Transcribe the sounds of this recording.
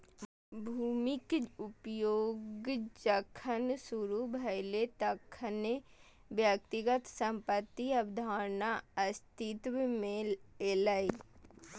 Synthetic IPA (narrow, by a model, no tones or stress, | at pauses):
bʱuːmikʊpjoːɡd͡ʒəkʰənsuɾubʱɐjlet̪ɐkʰəne | bjək̚t̪iɡət̪sə̃mpət̪ːiɐbd̪ʱaːɾnaɐst̪it̪ʋmẽeləi